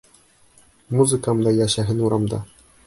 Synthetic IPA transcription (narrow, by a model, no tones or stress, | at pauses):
muzɨkamd̪ajaɕaɦinuɾamd̪a̰